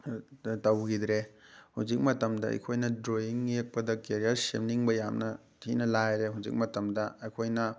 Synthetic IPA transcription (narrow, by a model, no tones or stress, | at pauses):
tɐwɡidɾehud͡ʒik̚mɐtɐmdɐɐ̰jkʰojnɐdɾoiŋjek̚pɐdɐkeɾijɐɾsḛmniŋbɐjamnɐ | tʰinɐlajɾeɦuzḭk̚mɐtɐmdɐɐjkʰojnɐ